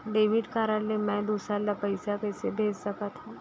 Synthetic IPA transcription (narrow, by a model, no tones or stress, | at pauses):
ɖeːʋɪɖkaːɾəlːemɛ̃d̪uːsɾalɐpəɪsakɛːsebʱeːd͡ʒsɐkat̪ʰa